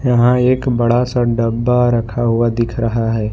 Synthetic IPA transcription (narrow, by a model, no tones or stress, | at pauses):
jəɦãeːkbəɽasaɖəbːaɾəkʰaɦʊad̪ɪkʰɾəɦaɦɛː